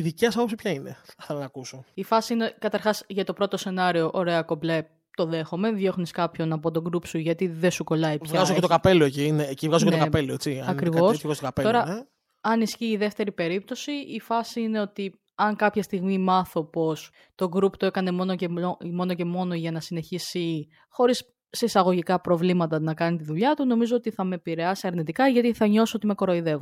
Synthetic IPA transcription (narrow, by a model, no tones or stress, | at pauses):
iðiceɐs̬ɐpopsipçɐineɐθelɐnɐkusoifɐsiinekɐt̪ɐɾxɐsʝɐt̪o̞pɾo̞t̪o̞se̞nɐɾio̞ʔoɾe̞ɐko̞ble | t̪o̞ðe̞xo̞me̞ðʝo̞xniskɐpço̞nɐp̬o̞t̪̬o̞ɡɾupsuʝɐt̪iðe̞suko̞lɐiçvɣɣɐzocet̪okɐpe̞loecinecivɣɐzuocekɐpeloet͡siɐɐkɾivo̞svɐzst̪okɐpet̪o̞ɾɐe | ɐnisciːðe̞ft̪e̞ɾipe̞ɾip̚t̪o̞siifɐsiine̞o̞t̪i | ɐŋkɐpçɐst̪iɣmimɐθo̞po̞s | t̪o̞ɡɾupt̪oe̞kɐne̞monocemo̞noce̞mo̞no̞ʝɐnɐsine̞çisi | xo̞ɾisː | eisɐɣo̞ʝikɐpɾo̞vlimɐt̪ɐnɐkɐnit̪iðuʎɐt̪uno̞mizo̞ot̪iθɐme̞piɾe̞ɐsiɐɾnit̪ikɐʝɐt̪iθɐɲo̞sot̪ime̞ko̞ɾo̞iðe̞vu